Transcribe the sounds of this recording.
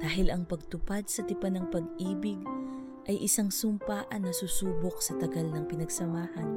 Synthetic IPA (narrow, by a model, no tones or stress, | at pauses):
d̪̥aːɦɪlʔɐŋpɐɡ̚t̪ʊpad̪̚sɐt̪ɪpanɐŋpɐɡʔiːbɪɡ̚ | ʔɐjʔɪsaŋsʊmpaʔɐnɐsusuːbok̚sɐt̪ɐɡɐlnɐŋpɪnɐɡsɐmaːhɐn